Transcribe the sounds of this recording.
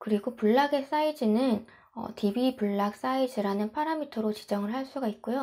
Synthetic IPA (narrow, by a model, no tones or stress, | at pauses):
kɯɾiɡopuɭːaɡe̞s͈aid͡ʑɯnɯn | ʌ̰tibipuɭːak̚s͈aid͡ʑɯɾanɯnpʰaɾamitʰʌɾot͡ɕid͡ʑʌŋɯɭɦaɭs͈uɡaik̚k͈ojo